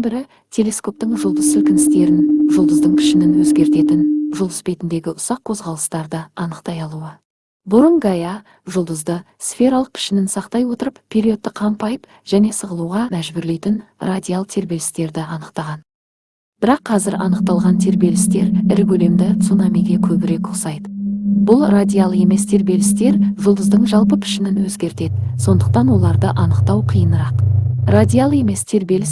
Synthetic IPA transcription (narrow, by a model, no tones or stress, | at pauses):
nbɪɾɪ | t̪ʰe̞le̞sko̞p̚t̪ɪɴʒʊlˠd̪əsɪlkʲɪnɪst̪e̞ɾɪnʒʊlˠd̪əzd̪əɴpʰɪ̥ʃɪnɪnwɵzɡʲe̞ɾt̪e̞t̪ɪnʒʊlˠəsbe̞t̪ɪnd̪e̞ɡʲɪʔʊsɑqʰo̞zʁɑlˠəst̪ɑɾd̪əɑnəqt̪ɑjɑlˠuə | bʊɾəŋɡaja | ʒʊlˠd̪əzd̪ə | sfʲe̞ɾalˠəq̚pʰɪ̥ʃɪnɪnsɑqt̪ɑjwo̞t̪əɾəppʰʲːeɾio̞t̪ːəqʰɑmpɑjəp | ʒ̥æne̞səʁəlˠuʁɑmæʒbʏɾle̞jt̪ɪnrad̪ʲijalˠt̪ʰe̞ɾbe̞lɪ̥st̪e̞ɾd̪ɪɑnəqt̪ɑʁɑn | b̥ɪɾɑqʰːɑzɪɾɑ̰nəq̚t̪ɑlˠʁɑnt̪ʰe̞ɾbe̞lɪst̪e̞ɾɪɾbʲɵle̞md̪ɪt̪sunamijɡʲe̞kʲʰɵbɪɾe̞kosɑjd̪əbʊlˠrad̪ʲijalˠe̞me̞st̪ʰe̞ɾbe̞lɪst̪e̞ɾʒʊlˠd̪əzd̪əɴʒɑlˠpəpʰɪ̥ʃɪnɪnwɵzɡʲe̞ɾt̪e̞d̪ɪso̞nd̪əqt̪ɑnwo̞lˠɑɾd̪əʔɑnəqt̪ɑwqʰijənəɾɑqrad̪ʲijalˠe̞me̞st̪ʰe̞ɾbe̞lɪs